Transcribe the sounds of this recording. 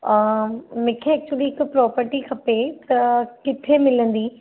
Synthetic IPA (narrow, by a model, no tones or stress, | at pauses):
mɪ̃ːkʰeɛːk̚t͡ɕuəliɪkpɾɔːpəɾʈikʰɐpet̪ɐkɪt̪ʰemɪlə̃nd̪iː